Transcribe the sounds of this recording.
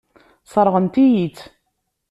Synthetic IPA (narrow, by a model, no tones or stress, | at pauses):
sˤəɾˤʁənt̪ijit͡sː